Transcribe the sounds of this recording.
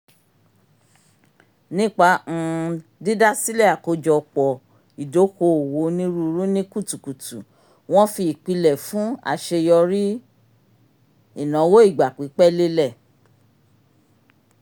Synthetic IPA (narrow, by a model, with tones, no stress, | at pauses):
nĩ˦k͡pã˧˨di˦da˦si˦lɛ˦˨a˨ko˧˦d͡ʒɔ˧k͡pɔ˨ | i˨do˨˦ko˧o˨wo˨˦nĩ˦ɾu˦˧ɾũ˦nĩ˦ku˦˨tu˨ku˨tu˨ | w̃ɔ̃˦fi˧˨k͡pi˧lɛ˨fũ˦a̰˦˨ʃe˧jɔ˧ɾi˦ | i˦˨nã˨˦wo˦i˦˨ɡ͡ba˨k͡pi˨˦k͡pɛ˦le˦lɛ˦˨